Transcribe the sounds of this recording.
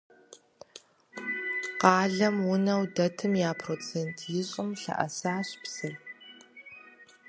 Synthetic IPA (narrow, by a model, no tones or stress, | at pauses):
qɑːɮɐmwʊnɐwdɐtʰɨmjaːpʰroːt͡sʰeːntʰjɪɕʼɪmɬɐ̰ʔɐ̰saːɕpsɐr